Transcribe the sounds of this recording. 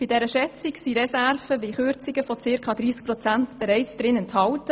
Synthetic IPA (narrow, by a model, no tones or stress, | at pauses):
b̥idɛɾəʃɛt͡siksiɾɛsærfəʋiχøɾt͡sɪɡəfɔt͡sɪɾkʰɑːdɾiːsk̚pɾɔt͡sæntb̥ɛɾɛɪt͡sd̥ɾɪnɛnthɑltə